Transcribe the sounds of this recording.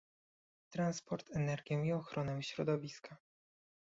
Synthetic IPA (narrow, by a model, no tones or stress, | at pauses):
t̪ɾanspɔɾt̪ɛnɛɾɡʲjɔ̃wiɔxɾʔɔnɛwɕɾɔd̪ɔvʲiska